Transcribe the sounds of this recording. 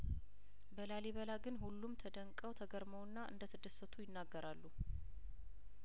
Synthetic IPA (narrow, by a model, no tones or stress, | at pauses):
bəlaleβəlaɡɨnhulːumt̪ʰəd̪əŋkʼːəwt̪ʰəɡəɾməwnːaʔɨ̰nd̪ət̪ʰəd̪əsːət̪ʰujɪnːaɡːəɾalːu